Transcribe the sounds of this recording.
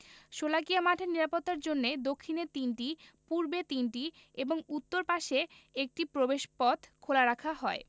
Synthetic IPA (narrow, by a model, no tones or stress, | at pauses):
ʃolakijamaʈʰeniɾapot̪ːaɾd͡ʑonːed̪okʰːinet̪inʈipuɾbet̪inʈi | eboŋut̪ːoɾpaʃeek̚ʈipɾobeʃpɔt̪ʰkʰolaɾakʰaɦɔe